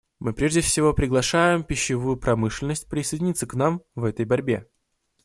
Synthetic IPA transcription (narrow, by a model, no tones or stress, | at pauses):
mɨpɾʲeʐdʲɪfsʲɪvo̞pɾʲɪɡlˠɐʂajɪmpʲɪɕːɪvujʊpɾɐmɨʂlʲɪnəsʲt̚ʲpɾʲɪsɨjdʲɪnʲit̪səknamvɛt̪əjbɐɾʲbʲe̞̰